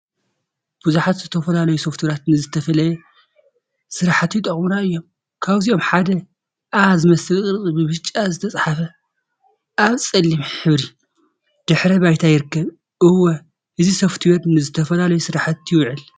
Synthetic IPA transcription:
b̥ɨzuħat̪zɨt̪ʰɐfɐlalɐjusɐft̪ʰwɾat̪nɨzɨt̪ʰɐfɐlɐjɛ | sɨɾaħat̪jit̪ʼɐχʼmunaɨjːo̞m | kʰaβziomħad̪ɐ | ʔazɨmɐsɨlkʼɨɾχʼɨbɨβɨt͡ʃʼːazɨt̪ʰɐt͡sʼħafɐ | ʔaβsʼɐlːimħɨβɾi | d̪̥ɨħɾɐβajt̪ʰajɪɾɨkːɐβ | ʔɨwːɐ | ʔɨzisɐft̪ʰujɛd̪nɨzɨt̪ʰɐfɐlalɐjusɨɾaħat̪jɪwʕɨl

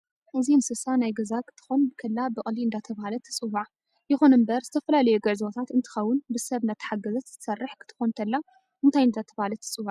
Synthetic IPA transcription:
ʔɨzimsɨsanajɡɐzakʰɨ̥t̪ʰɨ̥xonbɨkʰɐlːabɨʔʼliɨnd̪at̪ʰɐβhalɐt̪ʰɨ̥t͡sʼɨwaʕ | jɪxonɨmbɐɾzɨt̪ʰɐfɐlalɐjuɡɐʕzot̪ʰat̪ɨnt̪ʰɨ̥xɐwːʊnbɨsɐβnat̪ʰːɐ̥ħaɡɐzɐt̪z̥ɨ̥t̪ʰsɐrːɨħkʰɨ̥t̪ʰɨ̥xont̪ʰɐlːa | ʔɨnt̪ʰajɨnd̪at̪ʰɐβhalɐt̪ʰːɨ̥t͡sʼɨβaʕ

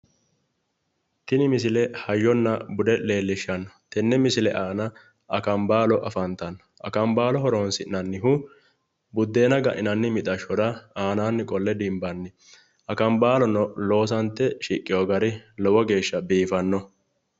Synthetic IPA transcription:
t̪ɪnɪmɪs̬ɪlɛhɐjːɔnːɐbʊd̪ɛle̞ːlːɪʃːɐnɐt̪ɛnːɛmɪsɪlɛʔaːnɐ | ɐkɐmbaːlɔʔɐfɐnt̪ɐn | ʔɐ̰kɐmbaːlɔɦɔɾoːnsɪʔnɐnːɪɦʊ | bʊd̪ːeːnɐɡɐʔɪnɐnːɪmɪt̪ʼɐʃɔɾɐaːnaːnːɪkʼɔlːɛd̪ɪmbɐnːɪ | ʔɐkɐmbaːlɔnɔlo̞ːsɐnt̪ːɛʃikʼːɪjɔɡɐɾɪlɔwɔɡe̞ːʃːɐbiːfɐnːɔ

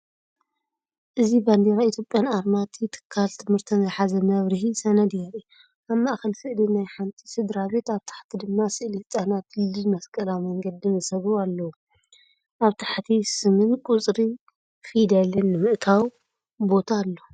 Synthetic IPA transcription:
ʔɨziband̪eɾait̪ʰjo̞pʼjanaɾmat̪ʰit̪ʰɨ̥kʰːalt̪ʰɨmhɨɾt̪ʰinajħazɐmɐβɾɨɦisɐnɐd̪jaɾi | ʔaβmaʔxɐlfɨʔlinajħant̪ʰʼi̥sɨd̪ɾaβe̞t̪aβt̪ʰḁħt̪ʰid̪ɨmːasɨʔlit͡sʼanat̪lɨlmɐskʼɐlamɐŋɡɐd̪ɨnzɨsɐβɾualːɐwu | ʔaβt̪ʰḁħt̪ʰisɨmɨnkʼut͡sʼɾi | fid̪alɨnːɨmɨʔt̪ʰaw | bo̞t̪ʰaːlːo

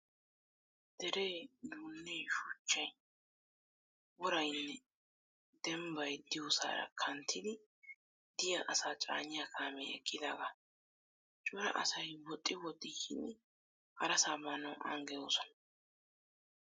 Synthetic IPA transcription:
d̪̥ɛɾeːnuːnːeːʃʊt͡ʃːɐj | wɔɾɐjnːɛ | d̪ɛmbɐjd̪ɪjosa̰ːɾɐ̰kʰɐnt̪ʰːɪd̪ɪ | d̪ɪjɐʔɐsaːt͡ʃʼa̰ːɲɪjakʰaːmɛɛ̰kʼːɪd̪aːɡɐ | t͡ʃʼʊɾɐ̰ʔɐsɐjwɔt̪ʼːɪwɔt̪ʼːɪʃɪnː | hɐɾɐsaːmɐnɐwʔɐ̰ŋɡɛjoːsɔnɐ

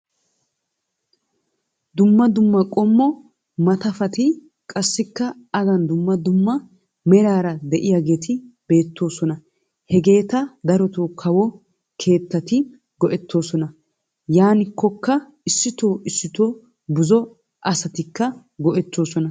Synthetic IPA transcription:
d̪ʊmːɐd̪ʊmːɐkʼɔmːɔ | mɐt̪ɐfɐt̪ɪ | kʼɐsːɪkːɐ | ɐɡɐnd̪ʊmːɐd̪ʊmːɐ | mɛɾaːɾɐd̪ɛʔɪjɐɡe̞ːt̪ɪb̥e̞ːt̪ːo̞ːsɔnɐ | hɛɡe̞ːt̪ɐd̪ɐɾɔt̪oːkʰɐwɔ | kʰe̞ːt̪ːɐt̪ɪ | ɡɔʔɛt̪ːo̞ːsɔnɐ | jaːnɪkːɔkːɐ | ɪsːɪt̪oːʔɪsːɪt̪oː | bʊzɔ | ʔɐsɐt̪ɪkːɐ | ɡɔʔɛt̪ːo̞ːsɔnɐ

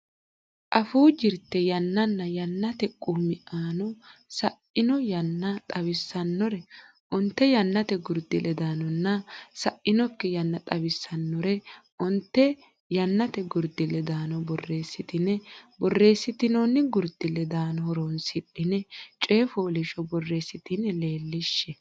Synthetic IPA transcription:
ʔɐfuːd͡ʒɪɾt̪ːɛjɐnːɐnːɐjɐnːɐt̪ɛkʼumɪʔaːnɔsɐʔɪnɔjɐnːɐt̪ʼɐβɪsːɐnːɔɾɛ | ʔɔnt̪ːɛjɐnːɐt̪ɛɡʊɾd̪ɪlʔɛd̪aːnɔnːɐsɐʔːɪnɔkːɛjɐnːɐt̪ʼɐbɪsːɐnːɔɾɛʔɔnt̪ːɛ | jɐnːɐt̪ɛɡʊɾd̪ɪlɛd̪aːnɔbɔrːe̞ːsːɪt̪ɪnɛbɔrːe̞ːsːɪt̪ɪnɔnːɪɡʊɾd̪̥ɪlːɛd̪aːnɔhɔɾoːnsɪɗːɪnɛt͡ʃʼe̞ːfoːlɪʃɔbɔrːe̞ːsːɪt̪ɪnːɛle̞ːlːɪʃːɛ

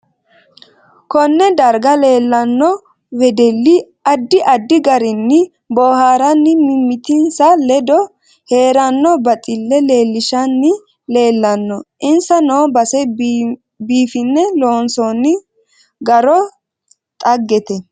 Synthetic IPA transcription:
kɔnːɛd̪ɐɾɡɐleːlːɐnːɔ | wɛd̪ɛlːɪ | ɐd̪ːɪʔɐd̪ːɪɡɐɾɪnːɪ | bɔːhaːɾɐnːɪmɪmːɪt̪ɪnsɐlɛd̪ɔ | he̞ːɾɐnːɔbɐt̪ʼɪlːɛle̞ːlːɪʃɐnːɪ | le̞ːlːɐnːɔʔɪnsɐnoːbɐsɛ | biːfɪnːɛloːnsonːɪ | ɡɐɾɔ | t̪ʼɐɡːɛt̪ɛ

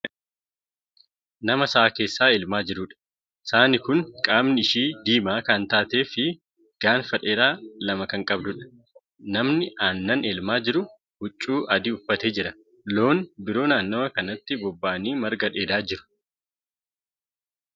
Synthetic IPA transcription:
nɐmɐsɐʔaːke̞ːsːaːɪlmaːd͡ʒɪɾʊᶑɐ̥ | ɪsaːnɪkʊnkʼaːbnɪɪʃiːd̪iːmaːkɐnt̪aːt̪e̞ːfɪ | ɡ̥aːnfɐᶑeːɾaːlɐmɐkɐŋkʼɐbd̪ʊᶑɐ̥ | nɐmnɪʔaːnːɐnɛlmaːd͡ʒɪɾʊ | ɡ̥ʊt͡ʃʼːuːʔɐd̪iʊfːɐt̪eːd͡ʒɪɾɐ | lo̞ːnbɪɾo̞ːnaːnːoːmɐkɐnɐt̪ːɪbɔbːaːniːmɐɾɡɐᶑe̞ːd̪aːd͡ʒɪɾʊ̥

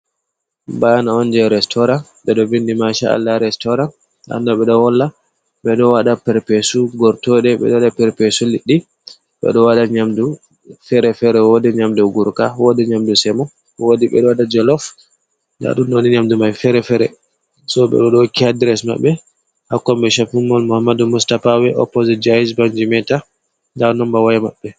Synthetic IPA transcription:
banaɔnd͡ʒɛɾɛstʰɔɾan | ɓɛɗɔvindimaʃaa̰lːaɾɛstɔɾan | a̰nːɔɓɛɗɔwɔlːa | ɓɛɗɔwaɗapɛɾpɛsuɡɔɾtɔɗɛɓɛ̰ɗɔwaɗapɛɾpɛsuliɗːi | ɓɛ̰ɗɔwaɗaɲamdu | fɛɾɛfɛɾɛwodɛɲamdɔɡuɾkawɔdɛɲamdusɛmɔ | wodiɓɛ̰ɗɔwaɗad͡ʒɔlɔf | nda̰ɗunnoniɲamdumajfɛɾɛfɛɾɛ̰ | sɔɓɛ̰ɗɔɗɔkihadiɾɛsma̰ɓːɛ | hakːɔmɓɛʃafumːɔlmuhamːadumustafawɛʔɔ̰pːɔzɛd͡ʒaisbaɲd͡ʒimɛta | ndanɔmbawajamaɓːɛ

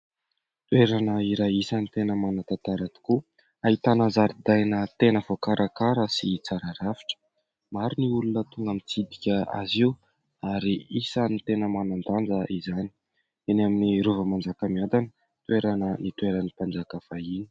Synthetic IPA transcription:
t̪weɾanəiɾajisənit̪enəmanət̪at̪aɾat̪u̥ku | ait̪anəzaɾid̪ajnət̪enəvokaɾʔakaɾəsit͡saɾaɾafi̥ʈ͡ʂə̥ | maɾiniulunət̪uŋɡamit͡sid̪ikʲəa̰ziw | aɾiisənit̪enəmanand̪and͡zəizani̥ | enaminiɾovəmand͡zakəmiand̪anə | t̪ueɾanənit̪ueɾanipand͡zakafaini̥

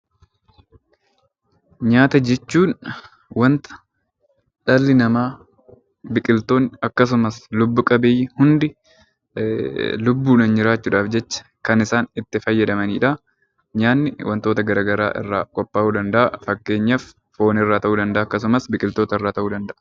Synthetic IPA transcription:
ɲaːt̪ɐd͡ʒɛt͡ʃːuːn | wɐnt̪ɐ̥ | ᶑɐlːɪnɐmaː | bɪkʼɪlt̪o̞ːnːɐkːɐs̬ʊmɐslʊbːʊkʼɐbɪjːhʊnd̪ɪ | lʊbːuːnɐnd͡ʒɪɾaːt͡ʃːuːᶑaːfd͡ʒɛt͡ʃːɐ̥kɐnɪsaːnɪt̪ːɪfɐjːɐd̪ɐmɐniːᶑa | ɲaːnːɪwʔɐnt̪oːt̪ɐɡɐɾaːɡɐɾa̰ːʔɪ̰rːaːkʼɔpːaːʔuːd̪ɐnd̪ɐʔɐfɐkːe̞ːɲːɐfː | o̞ːnɪrːaːt̪ɐʔuːd̪ɐnd̪ɐʔaːkːɐs̬ʊmɐsbɪkʼɪlt̪oːt̪ɐɪrːaːt̪ɐʔuːd̪ɐnd̪ɐʔɐ̥

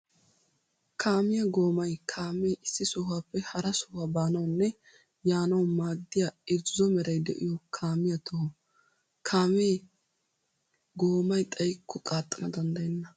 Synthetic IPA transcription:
kʰaːmɪjɐɡo̞ːmɐjkʰaːmeɪsːɪsɔɦaːpːɛhɐɾɐsʊ̥habaːnɐwnːɛ | jaːnɐwmaːd̪ːɪjaːɪzːɔmɛɾɐjd̪ɛ̰ʔɪ̰jɔkʰaːmɪjɐt̪ɔhɔ | kʰaːmeː | ɡoːmɐjt̪ʼɐjkʰːɔkʼaːt̪ʼːɐnɐd̪ɐnd̪ɐjɛnːɐ

